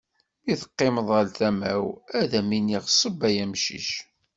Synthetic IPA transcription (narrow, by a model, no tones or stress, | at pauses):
iθə̥qːɪməðˤəlθæmæwæðæminiʁsˤəbæjæmʃḭʃ